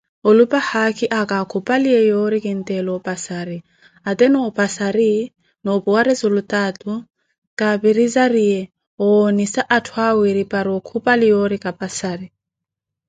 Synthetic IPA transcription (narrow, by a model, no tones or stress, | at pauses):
ɔlupʼahakʰʼiʔakʼakʰupʼaliɛjoɾikʼin̩t̪ʼɛlɔpʼasaɾi | at̪ɛnɔɔpʼasaɾi | nɔbuwaɾɛzulutʼatʼu | kʼabiɾizaɾiɛ | ɔonisaʔatʰwawiɾipʼaɾɔkʰupʼalijoɾikʼapʼasaɾi